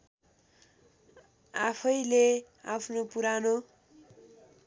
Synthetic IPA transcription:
apʰʌjle | a̰pʰnopuɾano

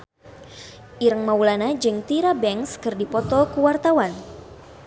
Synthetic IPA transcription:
ʔiɾəŋmaulanad͡ʒɨŋt̪iɾabɛŋskɨrdipɔt̪ɔkuwart̪awan

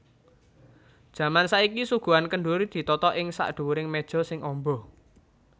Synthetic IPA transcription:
d̥ʒ̥ä̤mansaikisuɡ̥ṳankəɳɖuɾid̪̥i̤t̪ɔt̪ɔʔɪŋsa̰ʔɖ̪̥ṳwuɾɪŋmed̥ʒ̥ɔ̤sɪŋʔɔmbɔ

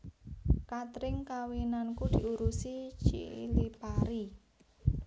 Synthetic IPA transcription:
kat̪ɾɪŋkawinankud̪̥i̤uɾusit͡ʃḭlipaɾi

